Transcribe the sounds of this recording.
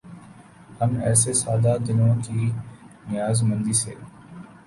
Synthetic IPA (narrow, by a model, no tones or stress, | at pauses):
həmɛ̰ːseːsaːd̪aːd̪ɪnõːkiːnɪjaːzmə̃nd̪iːsḛː